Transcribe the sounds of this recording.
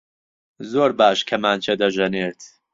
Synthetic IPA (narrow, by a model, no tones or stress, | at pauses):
zoːɾbaːʃkʰɐmaːnt͡ʃʰed̪ɐʒɐneːɾt̪ʰ